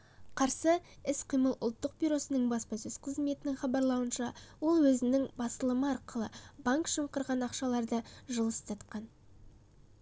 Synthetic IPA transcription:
qʰɑɾsəɪsqʰijməlˠʊlˠt̪ːəq̚bijɾo̞sənəɴbɑspɑsɵz̥qʰəzme̞t̪ɪnɪŋχɑbɑɾlˠɑwənʃɑwo̞lˠwɵzɪnɪŋbɑst̪əlˠəməɑɾqəlˠəbaŋkʃəɴqəɾʁɑnɑqʃɑlˠɑɾd̪əʒəlˠəst̪ʰɑt̪̚qɑn

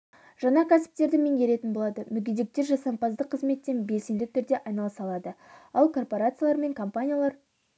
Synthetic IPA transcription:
ʒɑɴɑkʲʰæsɪ̥p̚t̪e̞ɾd̪ɪmeŋɡʲe̞ɾe̞t̪ɪnbo̞lˠɑd̪əmʏɡʲed̪e̞k̚t̪e̞ɾʒɑsɑmpɑzd̪əqʰːəzme̞t̪ːe̞nbe̞lse̞nd̪ɪt̪ʰʏɾd̪e̞ʔɑjnɑlˠəsɑlˠɑd̪ə | ɑlˠkʰo̞rpo̞ɾat̪sɨjalˠɑɾme̞ŋkʰo̞mpanʲijalˠɑɾ

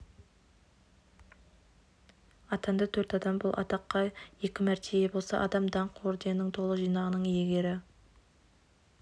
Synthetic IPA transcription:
ɑt̪ɑnd̪ɑt̪ʰɵɾt̪ɑd̪ɑmbolˠʔɑ̰t̪ɑqːɑje̞kʲɪmæɾt̪ʰejebo̞lˠsɑ̰ʔɑd̪ɑmd̪ɑɴqwoɾd̪e̞nɪŋt̪ʰo̞lˠəʒijnɑʁənəɴjeɡʲe̞ɾɪ

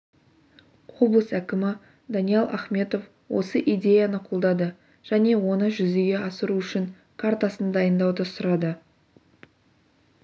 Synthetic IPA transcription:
wo̞blˠəsækʲɪmɪ | d̪ɑnijelˠʔɑχme̞t̪o̞f | wo̞̰səʔijd̪ʲe̞janəqʰulˠd̪ɑd̪ə | ʒ̥æne̞wo̞nəʒʏzɪɡʲe̞ɑsəɾuʏʃɪŋ | kʰaɾt̪asənd̪ɑjənd̪ɑwd̪əsʊɾɑd̪ə

